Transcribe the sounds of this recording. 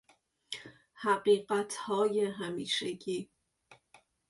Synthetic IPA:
hæɢiːɢæt̪ʰhɒːjeɦæmiːʃeɡiː

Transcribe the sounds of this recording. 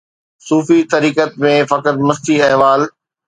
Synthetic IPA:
suːfit̪ɐɾiːkət̪̚mẽfɐkəɾmɐst̪iɐɦʋaːl

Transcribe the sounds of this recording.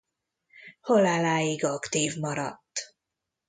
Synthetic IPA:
holalaːjiɡɒkt̪iːvmɒɾɒ̰t̪ː

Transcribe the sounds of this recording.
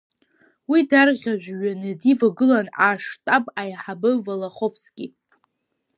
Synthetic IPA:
widarʁʲaʒᶣʷɥanɨdivaɡɨlanaʂtʼapʼajħabɨvalaχofʰskʲi

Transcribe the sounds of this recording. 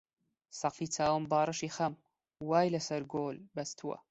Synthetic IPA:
sɐqiːt͡sʰaːwɨmbaːɾˤɨʃiːxɐm | waːjlɐsɐɾɡoːlbɐst̪ʰuwɐ̰

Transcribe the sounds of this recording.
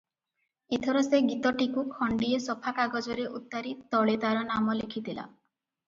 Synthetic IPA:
et̪ʰɔɾɔseɡit̪ɔʈikukʰɔɳɖiɔsɔpʰakaɡɔd͡ʒɔɾeʔut̪ːaɾit̪ɔɭet̪aɾɔnamɔlekʰit̪ʰila̰

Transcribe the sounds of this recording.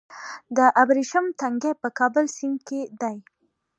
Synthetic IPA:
d̪əʔabɾiʃʊmt̪aŋɡepəkɑbəlsɪŋked̪aj

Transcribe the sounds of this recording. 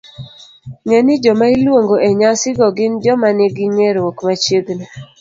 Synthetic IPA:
ŋenɪd͡ʒɔmailwoŋɡoʔeɲasɪɡɔɡɪnd͡ʒɔmanɪɡɪŋeɾwokmat͡ʃeɡnɛ

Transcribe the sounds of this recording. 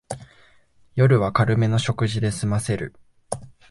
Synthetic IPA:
jo̞ɾɯ̟βakaɾɯ̟me̞no̞ɕo̞kɯ̟ʑid̪e̞sɨmase̞ɾɯ̰

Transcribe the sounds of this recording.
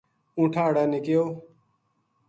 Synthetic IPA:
ũːʈʰaːɽaːnɪkɪjoː

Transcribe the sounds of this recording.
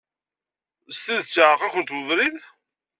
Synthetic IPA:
st̪iðt͡sːʕəqakʷənt̪wəvɾið

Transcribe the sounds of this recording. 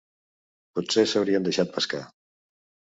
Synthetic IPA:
put̪sesəwɾiənd̪əʃat̪̚pəska̰

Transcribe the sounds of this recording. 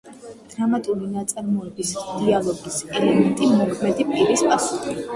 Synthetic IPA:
d̪̥ɾamat̪ʼulinat̪sʼaɾmɔɛbisd̪̥ialˠɔɡisɛlɛmɛnt̪ʼimɔkʰmɛd̪ipʼiɾispʼasu̥χi

